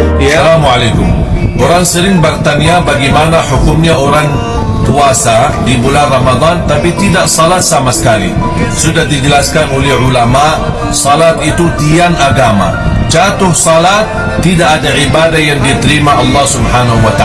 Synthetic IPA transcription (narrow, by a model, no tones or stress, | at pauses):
alamuʕalajkʊmʔoɾaŋsəɾɪŋbərt̪aniabaɡimanaħukʊmɲaoɾaŋ | kuasadibulanrɑmad̪ˤɑnt̪apit̪idaʔsɔlat̪̚samasə̥kalḭ | sudahdid͡ʒəlaskanolɛhʕulamaʔ | sɔlat̪it̪udianaɡama̰t͡ʃat̪ʊhsɔlat̪ː | idaʔadaʕibadahjaŋdit̪əɾimaɑlːɑhsubħanaɦuwat̪a